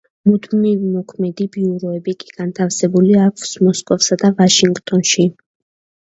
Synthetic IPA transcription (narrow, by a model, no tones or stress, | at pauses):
mud̪milimɔkʰmɛd̪ibiuɾɔɛbikʼiɡ̥ant̪ʰafsɛbuliakʰsmɔskʼɔfsad̪avaʃiŋɡt̪ʼɔnʃi